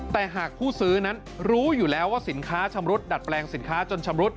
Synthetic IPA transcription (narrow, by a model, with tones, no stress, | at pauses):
t̪ɛː˨˩ɦaː˨˩k̚pʰuː˥˩sɯː˦˥na˦˥n | ɾuː˦˥juː˨˩lɛː˦˥waː˥˩si˩˦nkʰaː˦˥t͡ɕʰa˧mɾu˦˥t̪̚da˨˩t̪̚plɛː˧ŋsi˨˩˦nkʰaː˦˥t͡ɕo˧nt͡ɕʰa˧mɾu˦˥t̪̚